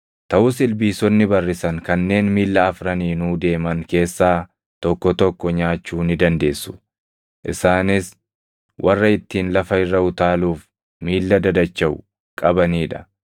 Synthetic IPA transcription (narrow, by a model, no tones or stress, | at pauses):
t̪ɐʔʊs̬ɪlbiːsɔnːɪbɐrːɪsɐŋkɐnːe̞ːnmiːlːɐɐfɾɐniːnuːd̪e̞ːmɐŋke̞ːsːaː | t̪ɔkːɔt̪ɔkːɔɲaːt͡ʃːuːnɪd̪ɐnd̪e̞ːsːʊ̥ | ʔɪsaːnɪs | wʔɐrːɐɪt̪ːiːnlɐfɐɪrːɐʊt̪aːluːf | miːlːɐd̪ɐd̪ɐt͡ʃːɐʔʊ̰ | kʼɐbɐniːᶑɐ̥